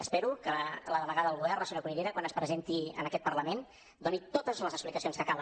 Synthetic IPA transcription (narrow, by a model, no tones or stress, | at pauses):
əspɛɾukələðəβəɣaðəəlˠɣuβɛrnəsəɲokuniɾeɾəkwanəspɾəzent̪iə̰nəkɛt̪̚pərləmen | d̪onit̪ot̪əzləzəksplikəsionskəkalˠ